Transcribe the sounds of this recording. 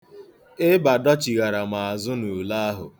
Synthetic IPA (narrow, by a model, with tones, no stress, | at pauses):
ɪ˦ba˨dɔ˦t͡ʃi˨ɣa˨ɾa˨ma˨a˨zʊ˦nu˨la˦a˦ɦʊ̰˨